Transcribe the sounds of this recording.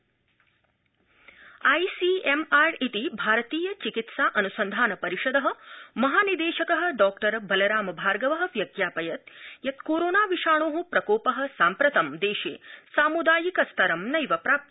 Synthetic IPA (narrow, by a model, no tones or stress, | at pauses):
ɐjsiemaːɾit̪ibʱaːɾɐt̪iːjɐt͡ʃikit̪saːʔɐnusɐnd̪ʱaːnɐpɐɾiʂɐd̪ɐɦɐ̆mɐɦaːnid̪eːʃɐkɐɦɐ̆ɖɔːkʈɐɾbɐlɐɾaːmɐbʱaːɾɡɐʋɐɦɐ̆ʋjɐɡjaːpɐjɐt̪jɐt̪koːɾoːnaːʋiʃaːɳ̃oːɦupɾɐkoːpɐɦɐ̆saːmpɾɐt̪ɐmd̪eːʃḛːsaːmud̪aːjikɐst̪ʰɐɾɐmnɐjʋɐpɾaːp̚t̪